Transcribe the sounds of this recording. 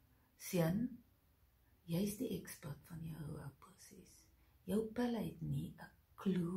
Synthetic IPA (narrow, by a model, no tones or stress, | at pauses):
siən | jəjsdiʔɛkspɐtfɐnjəəwɐwprusɛs | jəwpælɦɛtniə | kʰlu